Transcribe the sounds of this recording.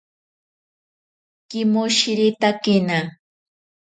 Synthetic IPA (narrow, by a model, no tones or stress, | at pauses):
kɪmoʃɪɾɪt̪akɪna